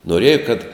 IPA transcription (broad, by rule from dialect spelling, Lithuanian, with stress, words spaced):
noːˈrʲeːjɛ kɐt